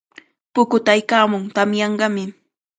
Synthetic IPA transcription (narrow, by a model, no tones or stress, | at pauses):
pʊkʊt̪aajkaːmʊŋt̪amjɑɴɢɑmɪ